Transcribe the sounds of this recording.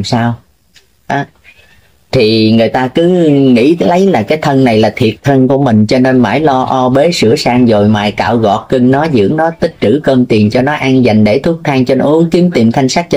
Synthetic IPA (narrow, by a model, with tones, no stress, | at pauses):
msaː˧w | ʔaː˨˦ | t̪ʰi˨˩ŋɨ˨˩əjt̪aː˧kɨ˨˦ŋḭ˧˥lə˨˦jlaː˨˩kaː˨˦jt̪ʰə˧nna˨˩jlaː˨˩t̪ʰi˨˩ət̚t̪ʰə˧nku˧˩əmï˨˩ŋ̟t͡ɕɔ˧ne˧nma̰ː˧˩jlɔ˧ʔɔ˧ɓe˨˦sɨ̰˧˥əsaː˧ŋzo˨˩jma̰ː˧˨jka̰ː˧˨wɣɔ̰˨˩t̚kɨ˧ŋnɔ˨˦zɨ̰˧˥əŋnɔ˨˦t̪ï˦˥k̚t͡ɕɨ˧˩kə˧mt̪i˨˩ənt͡ɕɔ˧nɔ˨˦ʔa˧ŋza˨˩jŋ̟ɗe˧˩t̪ʰu˦˥ək̚t̪ʰaː˧ŋt͡ɕe˧nʔu˨˦əŋki˨˦əmt̪i˨˩mt̪ʰa˧jŋ̟saː˦˥t̚t͡ɕ